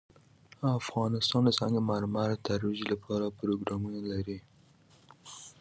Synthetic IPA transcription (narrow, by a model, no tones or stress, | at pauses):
afɣɑnɪst̪ɑnd̪əsɑŋɡemaɾmaɾat̪aɾwiʒilapʰɑɾapɾoɡɾɑmunalaɾi